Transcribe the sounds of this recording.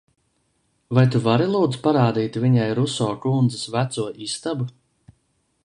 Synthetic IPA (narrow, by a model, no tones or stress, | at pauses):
vajt̪uvaɾilˠuːd̪zpaɾaːd̪iːt̪viɲajɾusɔːkund̪zɨsvæt̪suɔʔist̪abu